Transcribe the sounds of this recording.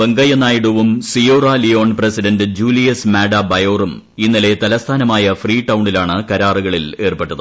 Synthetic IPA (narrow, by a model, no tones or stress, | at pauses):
beŋɡɐjɐnːaːjiɽuʋumsijoːrɐlijo̞ːɳpresiɖɐndɨd͡ʑuːlijɐsmaːɖɐbɐjo̞ːrum | inːile̞t̪ɐlɐst̪ʰaːnɐmaːjɐfriːʈːɐwɳɖilaːɳɨkɐɾaːriɣɐɭile̞ːrpeʈːɐðɨ